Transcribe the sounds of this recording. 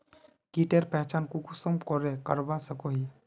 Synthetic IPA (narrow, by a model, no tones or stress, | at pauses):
kiʈeɾpɛɦt͡ʃaːnkukʊsəmkɔɾekəɾbasəkoɦi